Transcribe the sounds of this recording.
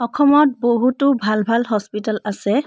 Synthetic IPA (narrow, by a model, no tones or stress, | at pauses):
ɔkʰɔmɔt̚boɦutʊbʱalbʱalɦɔspitalasɛ